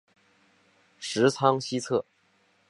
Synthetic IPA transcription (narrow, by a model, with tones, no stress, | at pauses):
ʂɻ̩˧˥t͡sʰɑ˥ŋɕi˥t͡sʰɤ˥˩